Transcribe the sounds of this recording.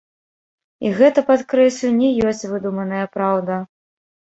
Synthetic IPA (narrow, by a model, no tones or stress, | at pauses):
iɣɛt̪ɐpat̪kɾɛsʲlʲunʲɛjɔsʲt͡sʲvɨd̪umɐnɐjɐpɾawd̪ɐ